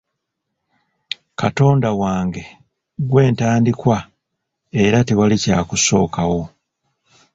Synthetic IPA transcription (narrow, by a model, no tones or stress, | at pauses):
kato̞ːndawaːŋɡe̞ | ɡwe̞ːntaːndikwa | e̞ɾateβalicaːkuso̞ːkawo̞